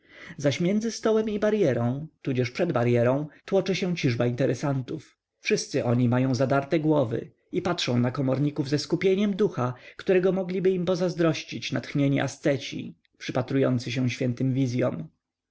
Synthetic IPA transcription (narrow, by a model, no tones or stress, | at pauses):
zaɕmʲjɛnd̪zɘst̪ɔwɛmibaɾjɛɾɔ̃w̃t̪ud͡ʑɛʂpʂɛd̪baɾjɛɾɔ̃w̃t̪wɔt͡ʂɘɕɛ̃t͡ɕiʐbaint̪ɛɾɛsant̪uf | fʂɘst̪sɘʔɔɲimajɔ̃w̃zad̪aɾt̪ɛɡwɔvɘ̰ | ipatʂɔ̃w̃nakɔmɔɾɲikuvzɛskupʲjeɲɛmd̪uxakt̪uɾɛɡɔmɔɡlʲibɘimpɔzazd̪ɾɔɕt͡ɕit͡ɕnat̪xɲeɲiʔa̰st̪sɛt͡ɕḭ | pʂɘpat̪ɾujɔnt̪sɘɕ̬ɛ̃w̃ɕfʲjɛnt̪ɘmvʲizʲjɔm